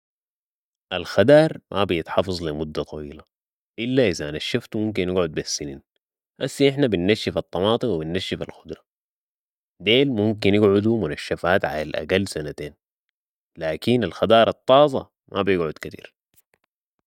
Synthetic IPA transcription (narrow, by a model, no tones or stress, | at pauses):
ʔalxad̪ɑːɾˤmʔabijɪt̪ħɑfɑzˤlimʊd̪ːat̪ˤɑ̰wiːla | ʔɪlːaʔizaʔnaʃːaft̪mumk̬inːɪɡʕʊd̪̚biasːiniːn | ʔasːiʔɪħnabinːaʃːifɑt̪ˤːɑmɑːt̪ˤɨwibinːaʃːifalxʊd̪ɾˤɑ | d̪eːlmumkinjɪɡʕʊd̪umunaʃːafaːt̪ʕa̰lalʔa̰ɡalːsanat̪eːn | laːkinalxad̪ɑːɾˤɑt̪ˤːɑːzˤɑ̰ | mʔa̰bijɪɡʕʊd̪kat̪ḭːɾ